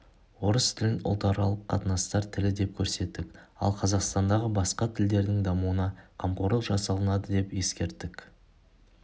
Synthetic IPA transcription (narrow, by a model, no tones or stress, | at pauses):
wo̞ɾəst̪ʰɪlɪnʊ̰lˠt̪ɑɾɑlˠəqʰːɑt̪ənɑst̪ɑɾt̪ʰɪlɪd̪e̞p̚kʲʰɵɾse̞t̪ːɪkɑ̰lˠqʰɑzɑqst̪ɑnd̪ɑʁəbɑsqɑt̪ʰɪld̪e̞ɾd̪ɪŋd̪ɑmuənɑqʰɑmqoɾəlˠʒɑsɑlˠənɑd̪əd̪e̞pje̞skʲe̞ɾt̪ːɪk